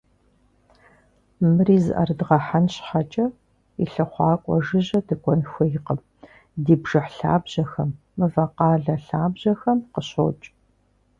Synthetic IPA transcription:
mɨriːzɨ̰ʔɐ̰rdʁɐħanɕħat͡ʃʼɐ | iɬɐχʷɑːkʷʼɔ̰ʐɨʑɐdɨkʷʼɔnxʷɔjɪqəm | diːbʐɨħɬa̰ːbʑ̥ɐxɐmːɨvɐqɑːɮɐɬaːbʑɐxɐmqəɕo̰ːt͡ʃʼ

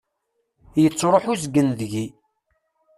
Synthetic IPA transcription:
jət͡sːɾˤoħusɡənðʝi

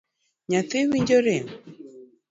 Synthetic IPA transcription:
ɲaθɪwiɲd͡ʒoɾe

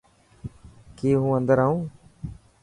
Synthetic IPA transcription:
keːɦũːənd̪əɾaːɦũː

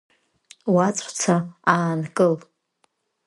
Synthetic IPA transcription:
wat͡sʷʼt͡sʰaaːnkʼɨl

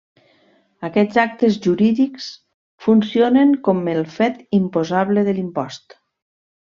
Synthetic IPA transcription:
əkɛd͡zak̚t̪ezʒuɾiðiks | funsioneŋkɔmelˠfɛt̪impozaβleðəlimpɔst̪

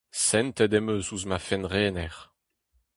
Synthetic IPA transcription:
sɛnt̪ɛd̪ɛmøsuzmafɛnʁeːnɛʁ

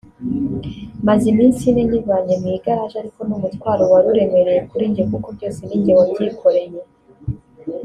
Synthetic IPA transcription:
mazimiːnsineɲivaɲemuiɡaɾaʒaɾiko̞numutkwaːɾowaɾuɾe̞me̞ɾe̞jekuɾiːɲɟekukobɟo̞ːseniːɲɟewabɟikʰo̞ɾe̞je̞

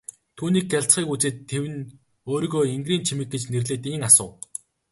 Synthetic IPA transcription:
t̪ʰuːniːk̚ɡaɬt͡sχiːkut͡seːt̪ʰːewɘ̆n | oːɾiːɣoːiŋɡriːnt͡ɕʰimɘ̆k̚ɡet͡ɕnerɮeːt̪iŋasʊː

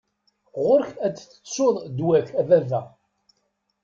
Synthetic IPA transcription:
ʁʊɾçæt͡sːt͡sːə̥soðˤd̪wæçævævæ

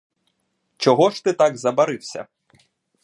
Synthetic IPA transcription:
t͡ʃɔɦɔʃt̪ɪt̪aɡzɐbɐɾɪwsʲɐ̰

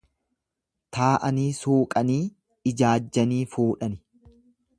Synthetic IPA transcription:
t̪aːʔɐniːsuːkʼɐniː | ɪd͡ʒaːd͡ʒːɐniːfuːᶑɐnɪ

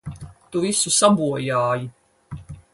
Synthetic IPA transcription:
t̪uvisusabuɔjaːji

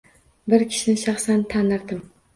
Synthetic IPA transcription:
bɪɾkʲʰɪ̥ʃɪnɪʃɑχsant̪ʰanɪɾd̪ɪm

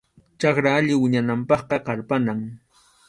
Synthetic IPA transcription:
t͡ʃɑkɾaaʎɪwɪɲanampɑχqɑqɑɾpanaŋ

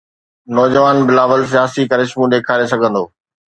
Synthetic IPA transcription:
nɔːd͡ʑəʋaːnbɪlaːʋəls̬ijaːsikɐɾɪʃmũɗeːkʰaːɾesɐɡʱə̃nd̪oː

